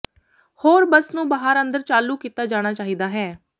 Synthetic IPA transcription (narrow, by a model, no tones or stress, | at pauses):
hoːɾbəsnũːbaːɦaɾə̃nd̪əɾt͡ʃaːluːkiːt̪aːd͡ʒaːɽ̃aːt͡ʃaːɦiːd̪aːɦɛː